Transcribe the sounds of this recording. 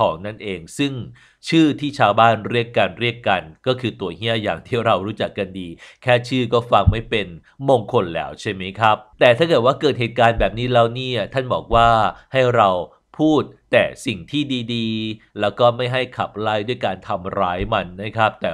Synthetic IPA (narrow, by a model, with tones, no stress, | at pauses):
kʰɔ̰ː˩˦ŋna˥˩nʔeː˧ŋsɯ˥˩ŋ | t͡ɕʰɯː˥˩t̪ʰiː˥˩t͡ɕʰaː˧wbaː˥˩nɾi˥˩əkːa˧nɾi˥˩əkːa˧nkɔː˥˩kʰɯː˧t̪u˧ɐhi˥˩əja̰ː˨˩ŋt̪ʰiː˥˩ɾa˧wɾuː˦˥t͡ɕa˨˩kːa˧ndiː˧kʰɛː˥˩t͡ɕʰɯː˥˩kɔː˥˩fa˧ŋma˥˩jpe˧n | moː˧ŋkʰo˧nlɛ̰ː˦˥wt͡ɕʰa˥˩jma˦˥jkʰa˦˥p̚t̪ɛː˨˩t̪ʰaː˥˩kɤː˨˩t̪̚waː˥˩kɤː˨˩t̪̚heː˨˩t̪̚kaː˧nbɛː˨˩p̚niː˦˥lɛː˦˥wniː˥˩˨t̪ʰa˥˩nbɔ̰ː˨˩k̚waː˥˩ha˥˩jɾa˧w | pʰuː˥˩t̪̚ːɛː˨˩si˨˩ŋt̪ʰiː˥˩diː˧diː˧ | lɛː˦˥wkɔː˥˩ma˥˩jɦa˥˩jkʰa˨˩p̚la˦˥˩jdu˥˩əjkaː˧nt̪ʰa˧mɾaː˦˥jma˧nːa˦˥˩kʰa˦˥p̚t̪ɛː˨˩